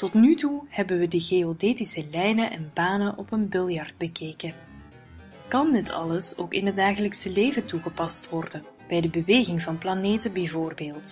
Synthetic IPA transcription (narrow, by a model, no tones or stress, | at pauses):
tɔtnytuhɛbənʋədəɣeodeːtisəlɛjnəʔɛ̰nbaːnənʔɔpənbɪlˠjɑrd̚bəkeːkə | kɑndɪtʰɑ̰ləsoːkɪ̰nɦət̚daːɣələksəleːvətuɣəpɑstʋɔrdən | b̥ɛjdəbəʋeːɣɪŋvɑnplaneːtənbɛjvoːrbeːlˠt